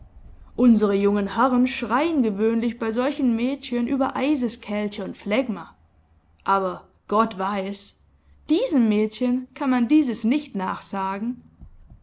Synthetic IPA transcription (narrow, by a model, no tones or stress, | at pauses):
ʔʊnzəʁəjʊŋənhɛʁənʃʁ̥aɪənɡəvøːnlɪçb̥aɪzɔlçn̩mɛːtçənʔyːbɐʔaɪzəskʰɛltəʊntflɛɡmɐ | ʔaːbɐ | ɡ̥ɔtv̥aɪs | d̥iːzəmːɛːtçənkʰanmandiːzəsnɪçtna̰ːχz̥aːɡŋ̩